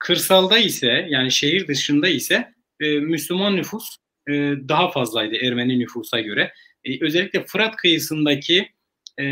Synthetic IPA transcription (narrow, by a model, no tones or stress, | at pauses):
kʰɯɾsalˠd̪aisɛjaːniʃe̞ɦiɾd̪ɯʃɯnd̪aisɛ | myslʲymanːyfus | d̪aɦafazlˠajd̪ɯæɾmeninyfuːsaɟø̞ɾɛ | ø̞zɛlʲːiclʲɛfɯɾat̪kʰɯjɯsɯnd̪acʰi